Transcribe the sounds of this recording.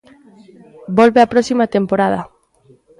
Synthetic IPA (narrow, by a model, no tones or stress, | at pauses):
bolβeapɾɔsimat̪empoɾaðɐ